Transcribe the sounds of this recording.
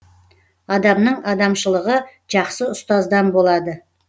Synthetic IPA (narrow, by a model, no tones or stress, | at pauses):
ɑd̪ɑmnəɴɑd̪ɑmʃəlˠəʁə | ʒ̥ɑqsəʊst̪ɑzd̪ɑnbo̞lˠɑd̪ə